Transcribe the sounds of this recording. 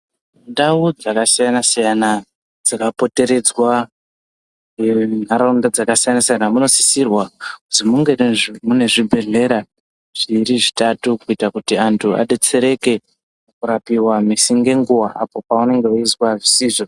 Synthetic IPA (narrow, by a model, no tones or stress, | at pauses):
ndaud͡zakasijanasijana | d͡zakapo̞te̞ɾe̞d͡zwa | n̤aɾaundad͡zakasijanasijanamuno̞si̥sirwakutimuŋɡe̞mune̞ʐibʱe̞ɮe̞ɾa | ʐ̥iɾiʐitatukuitakutiantʰua̰ɗe̞t͡se̞ɾe̞ke̞ | kuɾapiwamisiŋɡe̞ŋɡuwaʔapo̞paune̞ŋɡe̞uiswaʐisiːʐo